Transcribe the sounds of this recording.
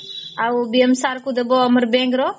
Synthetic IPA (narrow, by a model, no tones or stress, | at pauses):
aubiəmsaːɾkud̪ɐboːɐməɾbẽːŋɡɾoː